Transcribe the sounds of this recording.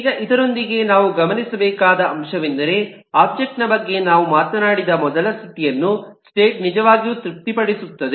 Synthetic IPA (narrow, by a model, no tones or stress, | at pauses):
iːɡɐʔid̪ɐɾo̞nd̪iɡe̞naːʋuɡɐmɐnisɐbɛːkaːd̪ɐʔɐmʃɐʋind̪ɐɾe̞ | aːb̚d͡ʒek̚ʈnɐbɐɡːe̞naːʋumaːt̪ɐnaːɽid̪ɐmɔd̪ɐlɐst̪ʰit̪ijɐnːusʈe̞ːʈ̚nid͡ʒɐʋaːɡijuːt̪ɾip̚t̪ipɐɽisut̪ːɐd̪e